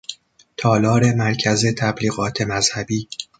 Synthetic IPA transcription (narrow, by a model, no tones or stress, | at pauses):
t̪ʰɒːlɒːɾe̞mæɾcʰæze̞t̪ʰæbliːɣɒːt̪ʰe̞mæz̥hæbiː